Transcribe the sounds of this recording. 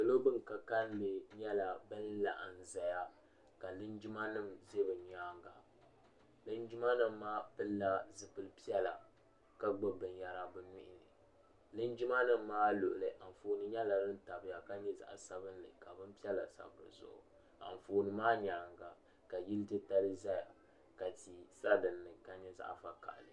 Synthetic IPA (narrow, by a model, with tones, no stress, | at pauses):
kɨ˨lo˦bɨ˦nka˨ka˦n˦le˨ɲɛ˦la˨bɨ˦n˦la̰˨ʔa˨n˨za˨ja˦ | ka˨lɨ˦nd͡ʒi˦ma˦nɨ˦mze˦bɨ˨ɲaː˦ŋɡa˨ | lɨ˦nd͡ʒi˦ma˦nɨ˦mːaː˦pɨ˦lːa˦zɨ˨pɨ˦lpi˦ɛ˦la̰˨ | ka˦ɡ͡bɨ˦bɨ˨n˨ja˨ɾa˨bɨ˦nu˦ʔɪ˨nɨ˨ | lɨ˦nd͡ʒi˦ma˦nɨ˦mːaː˦lʊ˨ʔʊ˨lɨ˨ʔa˨m˨foː˨nɨ˦ɲɛ˦la˨dɨ˦n̩˦ta˨bɨ˨ja˨ka˦ɲɛ˦za̰˨ʔsa˨bɨ˦n˦lɨ̰˨ka˨bɨ˦mpi˦ɛ˦la˨sa̰˨bɨ˦˨ɾzʊ̰˦˨ʔʊ̰˨ | a̰˨ɱ˨foː˨nɨ˨maː˦ɲaː˨ŋɡa˨ | ka˨ji˦ltɨ˦ta˦lɨ˦za˦ja˨ | ka˨ti˨sa˦dɨ˨nːɨ˨ka˦ɲɛ˦za̰˦ʔfa˨ka̰˨ʔlɨ˨